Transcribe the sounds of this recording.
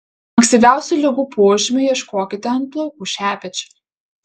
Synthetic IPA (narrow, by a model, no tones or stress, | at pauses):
ɐŋksʲt̪ʲiːʋʲæˑʊsʲuˑlʲɛɡuːpʰoːʒʲɪmʲʊjiɛʃkoːkʲɪt̪ʲɛɐnt̪plˠoʊkuːʃʲæːpʲɛt͡ʃʲʊ̥